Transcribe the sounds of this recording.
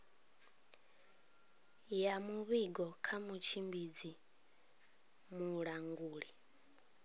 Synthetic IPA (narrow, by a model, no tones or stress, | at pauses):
jamuβiɡɔkʰamut͡ʃʰimbid͡zi | muɺaŋɡuːɺi